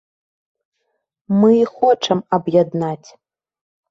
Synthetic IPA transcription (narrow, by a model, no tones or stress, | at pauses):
mɨixɔt͡ʂʰɐmɐbjad̪nat͡sʲ